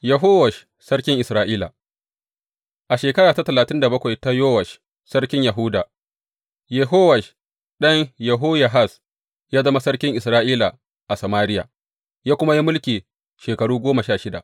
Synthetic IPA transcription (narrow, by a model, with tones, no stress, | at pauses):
jɐ˨ɦoː˦wɐ˨ʃ | sɐ˦ɽkʲɪ˦ŋʔɪ˨sɾaː˦ʔiː˦la˨ | ʔa˨ʃeː˨kɐ˦ɽaː˨ta˦tɐ˨laː˨tɪ˦nda˨bɐ˦kʷa˨jta˦joː˦wɐ˨ʃ | sɐ˦ɽkʲɪ˦ɲjɐ˨ɦʊ˦daː˨ | jɛ˨ɦoː˦wɐ˨ʃ | ɗɐ˦ɲjɐ˨ɦo˦ja˨ɦa˦˨s | jaː˦zɐ˦ma˦sɐ˦ɽkʲɪ˦ŋʔɪ˨sɾaː˦ʔiː˦la˨ | ʔa˨sɐ˨maː˦ɾɪ˦ja̰ː˨ | jaː˦kʷʊ˦ma˦ji˦mʊ˦lkʲiː˨ | ʃeː˨kɐ˨ɽuː˦ɡʷoː˦mɐ˨ʃaː˦˨ʃɪ˦da̰˨ʔ